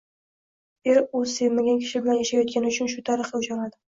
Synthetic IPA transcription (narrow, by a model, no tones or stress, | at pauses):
eɾozse̞vmaɡʲankʲʰɪ̥ʃɪbɪlanjaʃajɒt̪̚kʲʰanɪʊt͡ʃʰʊnʃʊt̪ʰaɾɨχɪʊt͡ʃaɾad̪ɪ